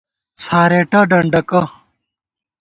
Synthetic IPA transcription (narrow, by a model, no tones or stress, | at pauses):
sʰaːɾeːʈɐɖɐɳɖɐkɐ